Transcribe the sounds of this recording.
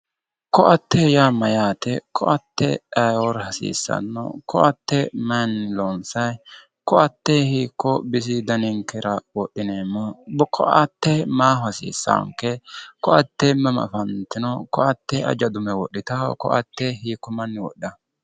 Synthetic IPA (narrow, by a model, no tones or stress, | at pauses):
kɔʔɐt̪ːejaːmɐjaːt̪ɛkʰɔʔɐt̪ːɛ̰ɐjwɔɾhɐsḭːsːɐ̰nːɔ̰kʰɔʔɐt̪ːɛmɐnːɪlɔnsɐj | kɔɐt̪ːeːhiːkːɔbɪsɪd̪ɐnɪŋkɛɾɐwɔɗːɪneːmːɔbkʰɔ̰ɐt̪ːemaːhʊhɐsḭːsːa̰ŋkɛkɔɐt̪ːemɐm̰fɐnt̪ɪnɔkɔʔɐt̪ːɛʔɐ̰d͡ʒɐd̪ʊmɛwɔɗːɪt̪a̰kɔ̰ʔɐ̰t̪ːehiːkːɔmɐnːɪwɔ̰ɗːɐ